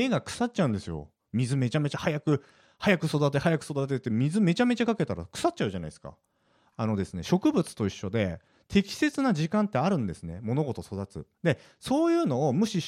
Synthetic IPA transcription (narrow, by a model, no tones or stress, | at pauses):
eːɡakɯ̟̥sat̚t͡ɕːaɯ̟̃nd̪e̞sɨjo̞̰ | mʲizɨme̞t͡ɕame̞t͡ɕahajakɯ̟ | hajakɯ̟so̞d̪at̪̬e̞hajakɯ̟so̞d̪at̪et̪ːemʲizɨme̞t͡ɕame̞t͡ɕakake̞t̪aɾa̰kɯ̟̥sat̚ːt͡ɕa̟ʑana̰isɨ̥ka̰ | ano̞d̪e̞sɨne̞̰ɕo̞kɯ̟bɯ̟t͡sɨ̥t̪o̞iɕːo̞d̪e̞ | t̪ʰe̞kʲi̥se̞t͡sɨnaʑikãnt̪ːe̞aɾɯ̟̃nd̪e̞sɨne̞mo̞no̞ɡo̞t̪o̞so̞d̪at͡sɨ̰d̪e̞ | so̞ːjɯ̟ːno̞ːmɯ̟ɕi